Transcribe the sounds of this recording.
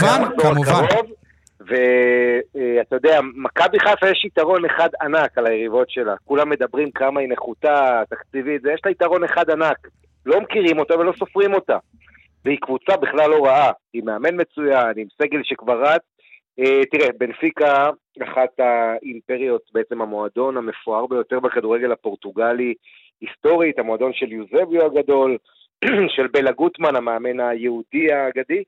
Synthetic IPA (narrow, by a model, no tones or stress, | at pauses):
amaχsookaʁo̞v | ve̞ | eat̪ajo̞d̪eamakabiχafajeʃit̪aʁo̞ne̞χad̪anakalajeʁivo̞tʃe̞lakulamːe̞d̪abʁimkamaineχutat̪akt͡sivit̪zejeʃlaitaʁo̞neχad̪anak | lo̞mkiʁimo̞t̪ave̞lo̞so̞fʁimo̞ta | veikvut͡sabiχlalːo̞ʁaaimeame̞nme̞t͡sujanimse̞ɡe̞lʃekvaʁat | et̪iʁebe̞nfika | aχat̪aimpe̞ʁijo̞t̚beet͡se̞mhamoado̞name̞foaʁbe̞jo̞te̞ʁbekaduʁe̞ɡe̞lhapo̞ʁtuɡali | isto̞ʁithamo̞ad̪o̞nʃe̞ljuzevjuaɡad̪o̞l | ʃe̞lbelaɡutmanameame̞najeudiaɡadi